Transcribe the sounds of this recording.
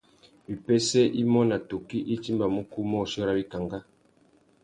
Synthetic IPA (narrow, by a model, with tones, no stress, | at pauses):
bi˨pɛ˦sɛ˦ʔi˦mɔ˦na˨to˨ki˦ʔi˦t͡ʃi˦mba˨mu˦ku˦mɔ˦˨ʃɔ˦ɾa˦bi˦ka˨ŋɡa˦